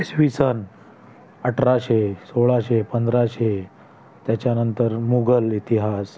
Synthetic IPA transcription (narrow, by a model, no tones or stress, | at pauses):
esʋisən | əʈʰɾaɕesoɭaɕepənd̪ɾaɕe | t̪jat͡ɕjanənt̪əɾmuɡəlit̪iɦas